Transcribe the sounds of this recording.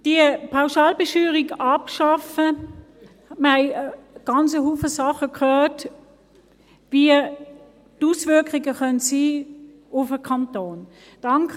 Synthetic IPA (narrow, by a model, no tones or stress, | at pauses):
d̥iəpʰaʊʃaːlbəʃyːʁiɡɑpʃɑfə | məaɪɡ̥ɑnt͡səɦuːfəsɑχəkʰhœːɐt | viə | tusvʏɐkʁiɡəχœntsiː | ʊfəkʰɑntoːn | d̥ɑŋkʰ